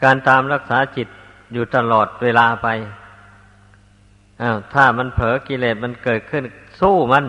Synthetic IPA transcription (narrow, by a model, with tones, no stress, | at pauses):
kaː˧nt̪aː˧mɾa˧˩k̚saː˨˦˥t͡ɕi˨˩t̪̚ | juː˨˩t̪a˧lɔː˨˩t̪̚weː˧laː˧pa˧j | ʔaː˧˩wt̪ʰaː˧˩ma˧˥npʰɤː˨˦˥ki˧˨leː˨˩t̪̚ma˧˥˨nkɤː˨˩t̪̚kʰɯ˧˥˨nsuː˧˥˩ma˧˥˨n